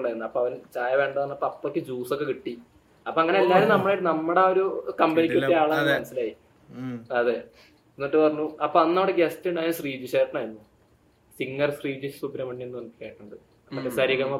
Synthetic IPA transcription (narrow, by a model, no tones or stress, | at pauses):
ɭaːjɾunːuɐpːoːɐʋɐnt͡ɕaːjɐʋe̞ːɳɖɐðaːnːɐpːoɐpːokʲːɨd͡ʑuːsokːe̞kiʈːi | ɐpːoːɐŋːɐneelːaːɾumnɐmːɐɭajʈːɨnɐmːuɽeoɾukɐmbɐnikʲːɐːiaːɭaːɐmɐnɐsːilaːji | ɐðe | enoʈːɨpɐrɐɲːuɐpːoːɐnːɐʋɐɽeɡestiuɳɖaːjnsriːd͡ʑiɕaːjʈːɐɳaːjɾunːu | siŋːɐrsriːd͡ʑiɕsuːpːinɐmɐɳːienːuʋɐnp̪ːi̥kʲːaːjiʈːuɳɖɨ | nɐmːɐʈːesɐɾiɣɐmɐ